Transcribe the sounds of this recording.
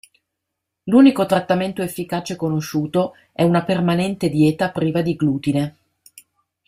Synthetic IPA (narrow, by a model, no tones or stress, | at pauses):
luːnikot̪ɾat̪ːament̪oefːikaːt͡ʃekonoʃːuːt̪o | ɛunapermanɛnt̪ed̪jɛːt̪apɾiːvad̪iɡluːt̪ine